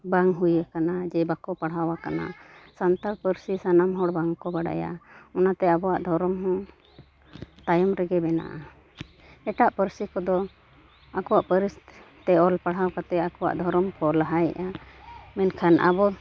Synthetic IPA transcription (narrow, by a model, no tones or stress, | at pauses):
baŋɦujakanad͡ʒɛbakɔpaɽɦawakana̰sant̪alpəɾsisanamɦɔɽbaŋkɔbaɽa̰ja̰ɔnat̪ɛabɔwaʔd̪ʱɔɾɔmɦɔ̃ | t̪ajɔmɾɛɡɛbɛna̰ʔa | ɛʈaʔpəɾsikɔd̪ɔ | akɔwaʔpəɾist̪ | t̪ɛɔlpaɽ̤ɦawkat̪ɛakɔwa̰ʔd̪ʱɔɾɔmkɔlaɦajɛ̰ʔamɛnkʰanʔa̰bɔ